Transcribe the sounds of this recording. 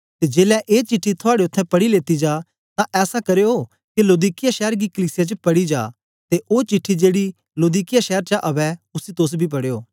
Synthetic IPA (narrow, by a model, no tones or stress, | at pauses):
t̪ed͡ʒeːlɛʔeːt͡ʃɪʈʰːit̪ʰʊaːɽeʊt̪ʰːɛ̃pɐɽileːt̪id͡ʒaː | t̪ãʔɛːsakɐɾeoː | kiloːd̪iːkɪjaʃɛːəɾɡikəliːsɪjat͡ʃəpɐɽid͡ʒa̰ː | t̪eʔoːt͡ʃɪʈʰːid͡ʒeːɽi | loːd̪iːkɪjaʃɛːɾt͡ʃaʔɐʋɛʊsit̪ʊs̬bʱip̬ɐɽejoː